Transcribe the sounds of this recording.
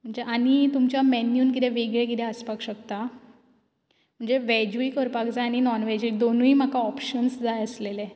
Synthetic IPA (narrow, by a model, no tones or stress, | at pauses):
m̤əɳd͡zeʔaɽ̃it̪umt͡ɕjamɛnjuːnk̬it̪eʋeɡɭekit̪ɛəspakɕəkt̪a | m̤əɳd͡zeʋɛd͡ʑuikəɾpakd͡zaaɽ̃inɔnʋɛd͡ʑuik̚d̪onuiːm̤akaɔpɕənsd͡zajəslele